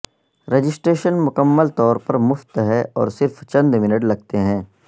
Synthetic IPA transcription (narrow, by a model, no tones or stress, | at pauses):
ɾed͡ʒɪsʈɾeːʃənmʊkəmːəlt̪ɔːɾpɐɾmʊft̪ɦɛɔ̰ːɾsɪɾft͡ʃɐ̃nd̪mɪnəʈlɐɡ̚t̪eɦɛ̃ː